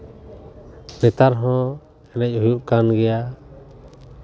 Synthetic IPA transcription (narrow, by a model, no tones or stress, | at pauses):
nɛt̪aɾɦɔ̃ | ɛnɛc̚ˀhujuʔkanɡɛja